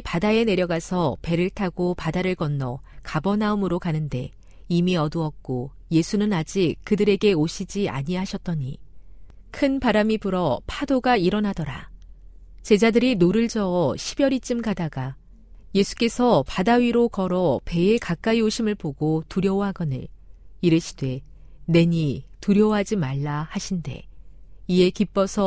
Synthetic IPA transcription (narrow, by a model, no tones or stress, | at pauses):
padae̞ne̞ɾjʌɡasʰʌpe̞ɾɯɭtʰaɡopadaɾɯɭkʌnːʌkabʌnaumɯɾokanɯnde̞ | imiʌduʌk̚k͈o | je̞sʰunɯnad͡ʑikɯdɯɾe̞ɡe̞oɕʰid͡ʑia̰ɲiɦaɕʰʌt͈̚ʌɲḭ | kʰɯnpaɾamipɯɾʌpʰadoɡaiɾʌnadʌɾa̰ | t͡ɕe̞d͡ʑadɯɾinoɾɯɭd͡ʑʌʌɕʰibjʌɾit͡ɕ͈ɯmɡadaɡa | je̞sʰu̥k͈e̞sʰʌpadaɥiɾokʌɾʌpe̞e̞kak͈aioɕʰimɯɭpoɡotuɾjʌwɦaɡʌnɯ̰niɾɯɕʰi̥dwe̞ | ne̞ɲituɾjʌwɦad͡ʑimaɭːahaɕʰinde̞̰ie̞kip͈ʌsʰʌ